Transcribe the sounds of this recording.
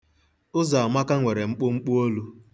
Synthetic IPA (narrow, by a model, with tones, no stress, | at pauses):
ʊ˦za˨a˨ma˦ka˦ŋʷe˨ɾe˨ŋ͡m̩˦k͡pʊ˦ŋ͡m̩˦k͡pʊ˦o˦lu˦